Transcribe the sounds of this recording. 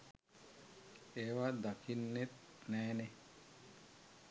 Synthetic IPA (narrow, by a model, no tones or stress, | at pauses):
eːʋad̪akʰinːet̪̚ | nɛːne